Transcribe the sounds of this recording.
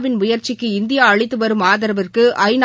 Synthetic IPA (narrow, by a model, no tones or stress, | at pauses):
ʋɪnmʊjɐɾt͡ʃɪkːɯɪnd̪ɪjaːɐɭɪt̪ːɯʋɐɾɯmaːðɐɾɐʋɐrkɯʔɐɪn